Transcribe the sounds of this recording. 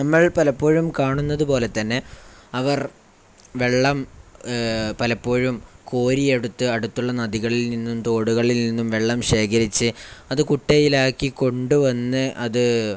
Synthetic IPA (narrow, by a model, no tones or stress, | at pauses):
nɐmːɐɭpɐlɐpːoːɻumkaːɳunːɐðupo̞ːle̞t̪ːɐnːe̞ɐʋɐr | ʋe̞ɭːɐm | pɐlɐpːo̞ːɻumko̞ːɾieɽut̪ːɨɐɽut̪ːuɭːɐnɐðiɣɐɭilninːumt̪o̞ːɽuɣɐɭilninːumʋe̞ɭːɐmɕe̞ːkʰɐɾit͡ɕːɨɐðɨkuʈːɐjilaːkːiko̞ɳɖuʋɐnːɨʔɐðɨ